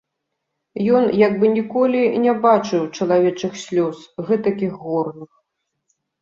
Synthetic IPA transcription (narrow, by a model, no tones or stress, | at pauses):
jɔnjaɡ̚bɨnʲikɔlʲinʲɛbat͡ʂɨwt͡ʂɐlˠavʲɛt͡ʂɨxsʲlʲɔsɣɛt̪akʲixːɔrnɨx